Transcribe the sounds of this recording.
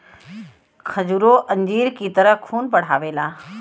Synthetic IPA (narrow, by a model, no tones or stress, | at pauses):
kʰɐd͡ʑuɾoʔɐ̃ɲd͡ʑiːɾkit̪əɾəɦkʰuːnpɐɽ̤aːʋeːlaː